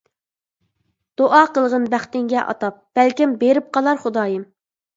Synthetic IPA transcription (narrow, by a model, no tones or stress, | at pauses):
d̪̥oʔɑqəlˠʁənbæχt̪ɪŋɡʲɛʔɑ̰t̪ɑp̚b̥ælkʲimbeɾɪp̚qɑlˠɑɾχʊd̪ɑːjɪm